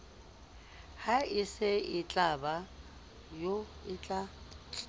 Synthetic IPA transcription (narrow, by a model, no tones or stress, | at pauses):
haɪsɪɪt͡ɬʼaba | joɪt͡ɬʼa